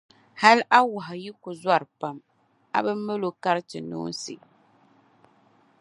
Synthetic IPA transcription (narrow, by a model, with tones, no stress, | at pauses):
ha˦lʔa˦wa˨ɦa˨ji˦kʊ˨za˦˨ɾɨ˨pa˨m | a̰˦bɨ˦mː˦ɨ˦lo˦ka˦ɾtɨ˨nṵː˦n˦sɨ̰˨